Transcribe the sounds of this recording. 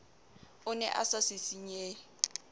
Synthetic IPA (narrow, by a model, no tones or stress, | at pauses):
ʊnɛ̰ʔa̰sasɪsiɲe